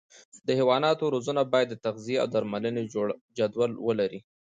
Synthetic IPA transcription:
d̪əhewɑnɑt̪oɾozunabɑjad̪ːət̪axziea̰wd̪aɾmaləned͡ʒad̪walwəlaɾi

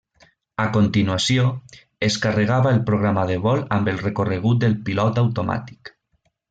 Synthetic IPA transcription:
akont̪inuasjo | eskareɣaβaelpɾoɣ̞ɾamaðeβɔlambelˠrekoreɣ̞ut̪̚d̪elpilɔt̪awt̪oma̰t̪i̥k

